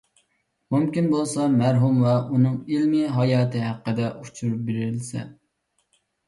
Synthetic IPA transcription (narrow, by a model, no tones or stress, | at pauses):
mumkʲinbolˠsɑmæɾɦumwɛunɨŋilmiɦɑjɑːt̪ʰɨɦæqːəd̪ɛʔut͡ʃʰuɾup̚beɾɪlsɛ̰